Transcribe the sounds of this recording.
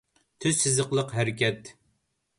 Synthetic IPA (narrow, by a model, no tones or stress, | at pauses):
t̪ʰyzsɪzɨqlˠəqɦæɾɪkʲɛt̪